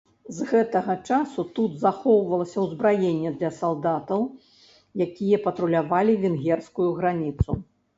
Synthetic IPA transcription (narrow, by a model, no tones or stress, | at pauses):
zɣɛt̪ɐɣɐt͡ʂasut̪ud̪zaxɔwvɐlˠɐsʲɐwzbɾajenʲːɛd̪lʲɐsalˠd̪at̪ɐw | jakʲijɐpɐt̪ɾulʲavalʲivʲinɣʲɛrskujuɣɾanʲit̪su